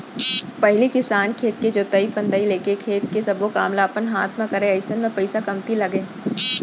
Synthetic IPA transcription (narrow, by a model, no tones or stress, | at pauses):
pɐɦlikɪsaːnkʰeːt̪̚ked͡ʒoːt̪ɐipə̃nd̪əileːkekʰeːt̪kesɐbokaːmlapənɦaːt̪ʰmãkɐɾẽɐɪsənmẽpɐɪsakɐmt̪ilɐɡẽː